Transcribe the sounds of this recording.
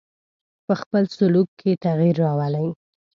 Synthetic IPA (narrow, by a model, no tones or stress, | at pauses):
pəxpəlsʊlukːʰet̪aɣiɾːɑwəlaj